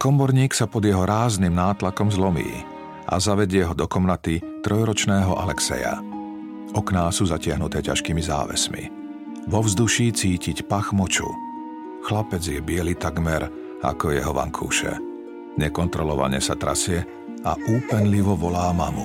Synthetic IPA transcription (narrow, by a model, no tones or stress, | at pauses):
kɔmɔɾɲiːksapɔd̪jɛɦɔɾaːznimnaːt̪lakɔmzlɔmḭː | ʔa̰zaʋɛɟɪɛɦɔd̪ɔkɔmnat̪it̪ɾʔɔjɾɔt͡ʃnɛːɦɔʔa̰lɛksɛ̰ja̰ | ʔɔknaːsuːzacɪaɦnut̪ɛːcaʃkiːmiza̰ːʋɛ̰smḭ | ʋɔvzd̪uʃiːt͡siːcicpaxmɔt͡ʃṵ | xlapɛd͡zjɛbɪɛlit̪aɡmɛɾ | a̰kɔjɛɦɔʋa̰ŋkʰṵːʃɛ̰ | ɲɛkɔnt̪ɾɔlɔʋa̰ɲɛsat̪ɾa̰sɪɛ | a̰ʔuːpɛnliʋɔʋɔlaːmamṵ